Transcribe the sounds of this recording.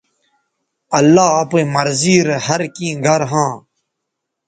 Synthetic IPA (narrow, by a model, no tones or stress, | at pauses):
ɐlːaːɐpẽːmɐɾziːɾhɐɾkĩːɡʱɐɾɦãː